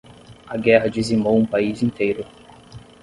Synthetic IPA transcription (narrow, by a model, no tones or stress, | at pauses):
ɐɡɛɦɐd͡ʒizimowũpaizĩnt̪ejɾʊ